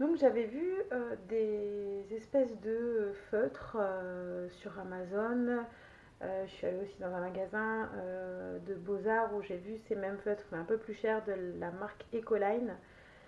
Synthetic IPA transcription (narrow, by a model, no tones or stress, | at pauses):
d̪ɔ̃kʒavɛvyød̪ezɛspɛsd̪əføt̪χøsyʁamazon | øʒəsɥialeosid̪ɑ̃zɛ̃maɡazɛ̃ød̪əbozaʁuʒevysemɛmføt̪χɛɛ̃pøplyʃɛʁd̪əlamaʁkekolajn